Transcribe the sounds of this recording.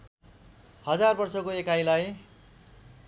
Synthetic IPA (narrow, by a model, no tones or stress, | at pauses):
hʌd͡zarbʌrsʌkoekajlaj